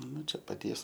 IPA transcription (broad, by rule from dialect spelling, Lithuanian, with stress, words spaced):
ˈnʊ ˈt͡ʃʲɛ pɐˈtʲiɛs